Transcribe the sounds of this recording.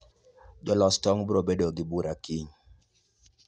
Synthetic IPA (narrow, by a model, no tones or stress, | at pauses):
d͡ʒɔlɔstɔŋbɾobedoɡibuɾakiɲ